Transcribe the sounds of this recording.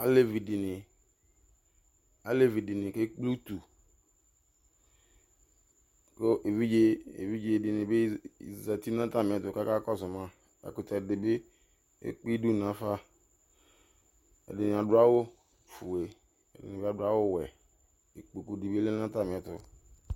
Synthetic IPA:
a˦le˦vi˨di˨nɪ˨ | a˦le˦vi˨di˨nɪ˨ke˦k͡pli˦u˦tu˨ | ko˦ʔe˨vi˦d͡ʒe˦ḛ˨vi˦d͡ʒe˦˨dɪ˨nɪ˨be˦i˨za˨ti˦nã˦ta˦˨mɪ̃˨ɛ˨tʊ˨ka˦ka˦kɔ˦˨sʊ˨mã˦ | a̰˨ku˨ta˨dɪ˨bɪ˦ | ḛ˦k͡pi˦du˦nã˨fa˦ | ɛ̰˨dɪ˨nɪ˨a˨dʊ˨˦a˦wo˦ | fu˨e˨ | ɛ̰˨dɪ̰˨nɪ˨ba˦dʊ˦a˦wo˦wɛ˨ | e˨k͡po˨ku˨di˨bi˦le˦n˦ã˦ta˦˨mɪ˨ɛ˨tʊ˨

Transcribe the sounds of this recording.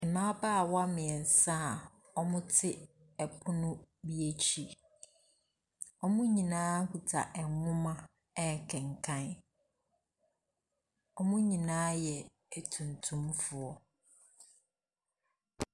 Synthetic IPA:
ɪ˨mã˦baː˦˨wa˦mɪ̃˨ɛ˨n˨sa˦˨ | ɔ˦mʊ̃˦tʰɪ˦ | ɛ˨pʰʊ˦nʊ̃˦bi˦e˦t͡ɕʰi˦ | ɔ˦mʊ̃˦ɲĩ˨nãː˦ku˨tʰa̰˨ʔɛ˨ŋʊ̃˦mã˦ | ɛ˦˨kʰɛ̃˨ŋ˨kʰã˦n | ɔ˦mʊ̃˦ɲĩ˨nãː˦jɛ˨ | æ˨tʰũ˨ntʰũ˦mfʊ˨ɔ˦

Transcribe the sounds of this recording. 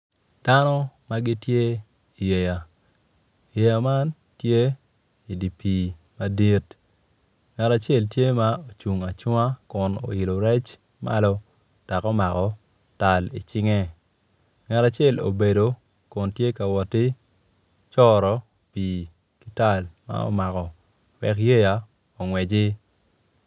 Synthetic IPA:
d̥a˦nɔ˦ma˦ɡi˦tje˦ | i˨je˨ja˨ | je˨ja˨ma˦n | tje˦ | i˨di˨pi˨ | ma˦di˦t | ŋɛ˨ta˨t͡ʃe˦˨ltje˦ma˦o˨t͡ʃu˨ŋa˨t͡ʃwa˦kʊ˨no̰˨ɪ˨lo˨ɾɛ˦t͡ʃ | ma̰˦lɔ˦ | ta˨kɔ˦ma˨kɔ˨ | ta˨lḭ˨t͡ʃɪ˦ŋɛ˦ | ŋɛ˨ta˨t͡ʃɛ˦˨lo̰˨be˨do˨ | kʊ˨ntje˦ka˨wɔ˨ti˦ | t͡ʃɔɾɔ˨ | piː˨ | ki˦ta˦˨lma̰˦ɔ̰˦ma˨kɔ˨ | wɛ̰˨kje˦ja˨ | o˨ŋwɛ˨d͡ʒɪ˦

